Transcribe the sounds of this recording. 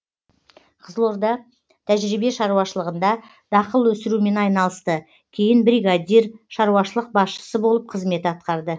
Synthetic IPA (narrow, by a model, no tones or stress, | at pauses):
qʰəzəlˠo̞ɾd̪ɑ | t̪ʰæʒɾibe̞ʃɑɾuwɑʃəlˠəʁənd̪ɑ | d̪̥ɑqəlˠwɵsɪɾume̞nɑjnɑlˠəst̪ə | kʲʰe̞jɪnbɾijɡad̪ʲiɾʃɑɾuwɑʃəlˠəq̚bɑsʃə̥səbo̞lˠəp̚qʰəzme̞t̪ɑt̪̚qɑɾd̪ə